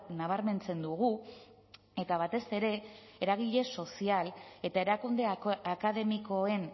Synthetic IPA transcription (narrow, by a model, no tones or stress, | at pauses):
naβ̞aɾme̞nt͡se̞nd̪uɣ̞u | e̞t̪aβ̞at̪e̞se̞ɾe̞eɾaɣ̞iʎe̞so̞siale̞t̪ae̞ɾakund̪e̞akaðe̞miko̞e̞n